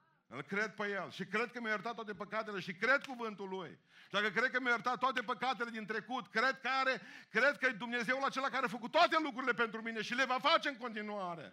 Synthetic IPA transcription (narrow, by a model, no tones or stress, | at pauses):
ɨ̰lkɾed̪̚pejelʃikɾe̞d̪̚kəmjajəɾt̪at̪ːwat̪epəkat̪eleʃikɾed̪̚kuvɨnt̪ulːuj | d̪akəkɾed̪̚kəmjajəɾt̪at̪ːoat̪e̞pəkat̪ele̞d̪int̪ɾe̞kut̪kɾed̪̚kaɾekɾed̪̚kəd̪umne̞zewulat͡ʃe̞lakaɾeafəkut̪ːoat̪e̞lukɾuɾile̞pe̞nt̪ɾumineʃile̞vafat͡ʃe̞ɨŋko̞nt̪inuaɾḛ